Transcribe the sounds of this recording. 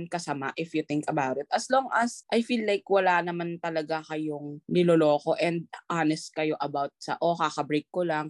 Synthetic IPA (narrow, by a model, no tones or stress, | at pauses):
nkɐsɐma̰ʔɪfjʊt̪ɪŋkɐbawt̪ɪt̪̚ɐsloŋʔɐsʔɐjfiːlːajkwɐlanɐmant̪ɐlɐɡakɐjoŋnɪlolo̞ːko̞ʔɛnd̪̚ʔanɛst̪̚kɐjo̞ʔɐbawt̪̚sɐ̰ʔokakɐbɾejkːolaŋ